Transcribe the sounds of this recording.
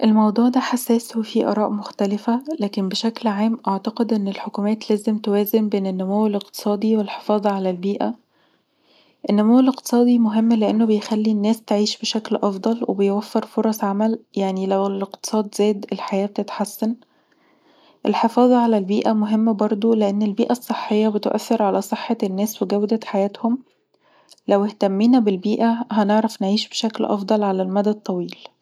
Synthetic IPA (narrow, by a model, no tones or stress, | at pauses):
ʔelmɑwd̪ˤuːʕd̪æħasːæːswefiʔɑ̰ɾˤɑːʔmoxt̪ælɪfælæːkenbeʃæklʕaːmʔɑʕt̪ɑqed̪ʔenːelħokuːmæːt̪læːzemt̪owæːzembeːnenːomæweleq̚t̪ɨ̥sˤɑːd̪ˤiwelħe̥fɑːðˤɑʕalælbiːʔæ̰ | ʔenːæmæweleqt̪ɨ̥sˤɑːd̪ˤimoɦemːleʔenːobejxælːinːæːst̪eʕiːʃbeʃæklʔɑfd̪ˤɑlwʔḛbejwæfːeɾfoɾˤɑsˤʕamæljaʕnilæweleqt̪ɨ̥sˤɑːd̪zæːd̪elħajæːb̚t̪et̪ħasːæn | ʔelħefɑːðˤɑʕalælbiːʔæmoɦemːæbɑɾˤd̪ˤoleʔenːelbiːʔæsˤːeħːejːɑbet̪ʔæ̰θːeɾʕalæsˤeħːɑnːæːsweɡæwd̪æt̪ħajæːt̪hom | læweht̪æmːiːnæbelbiːʔæɦæneʕɾɑfnʕiːʃbeʃæklʔɑ̰fd̪ˤɑlʕalælmæd̪æd̪̚t̪ˤːɑwiːl